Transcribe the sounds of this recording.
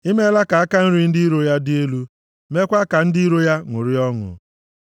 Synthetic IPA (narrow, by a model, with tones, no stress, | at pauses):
i˦me˦la˦ka˨a˦ka˦n̩˦ɾi˦n̩˦dɪ˦i˦ɾo˦ja˦dɪ˦e˦lu˦ | me˦kʷa˦ka˨n̩˦dɪ˦i˦ɾo˦ja˦ŋʷʊ˨ɾɪ˦ɔ˦ŋʊ̰˨